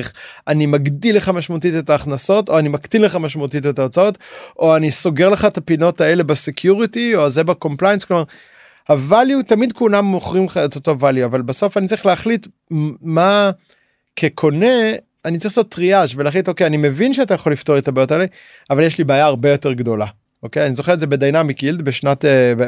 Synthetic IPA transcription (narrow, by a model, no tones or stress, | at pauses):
χanimaɡdileχamaʃmaut̪̬it̪etaːχnaso̞to̞animakd̪ilːeχamaʃmaut̪itetat͡saotʔo̞aniso̞ɡe̞ʁleχaet̪apino̞tae̞le̞basekʰjuʁitiozebako̞mplajensklomaʁ | havaljutamid̪kulamːoχʁimχaet̪otovaljuavalbaso̞fanitt͡saɐʁiχleaχlit̪ | ma | kʰekʰo̞ne̞ | anit͡saʁiχlasot̪ːʁiaʃveleaχlito̞kejanimevinʃeatajaχolifto̞ʁetabaːjotaele | avaljeʃlibaːjaːʁbe̞jo̞te̞ʁɡdo̞la | ʔoke̞janizo̞χeʁetzebed̪ajnamikild̪beʃnateb